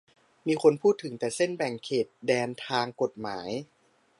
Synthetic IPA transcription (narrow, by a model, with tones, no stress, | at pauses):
miː˧xʰo˧npʰuː˥˩t̪ʰːɯ˩˦ŋt̪ɛː˨˩se˥˩nbɛ˨˩ŋkʰeː˨˩t̪̚dɛː˧nt̪ʰaː˧ŋko˨˩t̪̚maː˩˦j